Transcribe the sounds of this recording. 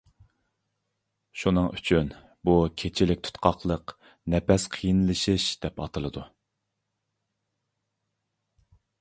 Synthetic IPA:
ʃunɨŋyt͡ʃʰyn | bukʲʰet͡ʃʰɪlɪk̚ʲt̪ʰt̪qʰɑχlˠəq | nɛpɛsqʰijɨnlˠɨʃɨʃd̪̥ɛpɑt̪ʰɨlˠɨd̪u

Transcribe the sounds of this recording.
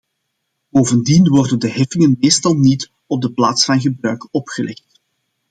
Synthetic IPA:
b̥oːvəndinwɔrdəndəɦɛfɪŋənmeːstɑlˠnit | ɔb̚dəplaːtsfɑnɣəbrœɥkɔpxəlʔɛxt

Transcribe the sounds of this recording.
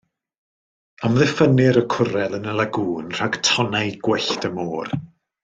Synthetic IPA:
amðɪfənɪɾəkʰʊɾɛlˠənəlaɡuːnr̥aɡtʰɔnajɡ̥wɛɬtəmoːr

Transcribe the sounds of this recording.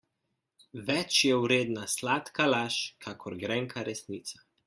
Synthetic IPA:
ʋɛt͡ʃjɛwɾeːd̪naslaːt̪kalaːʃkʰakʰɔɾɡɾɛŋkʰaɾɛsniːt̪sḁ

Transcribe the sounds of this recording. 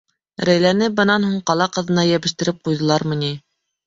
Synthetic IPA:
ɾæjlænɘbɤ̆nɑnhuɴqɑlˠɑqɤ̆ðɤ̆nɑjæβɘ̆ʃt̪ɘ̆ɾɘp̚qujðɤ̆lˠɑɾmɤ̆ni

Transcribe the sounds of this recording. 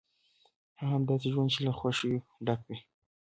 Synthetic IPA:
haɦamd̪ɑs̬eʒwand̪̚t͡ʃelaxwaʃiwɖakwi

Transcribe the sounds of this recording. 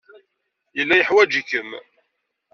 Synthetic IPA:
jəlːæjəħwæd͡ʒəkːəm

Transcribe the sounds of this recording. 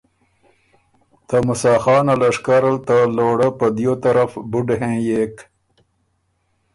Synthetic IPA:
t̪amʊsɑːxɑːnalaʂkaɾalt̪aloːɽapəd̪jot̪aɾafbuɖɦẽːjeːk

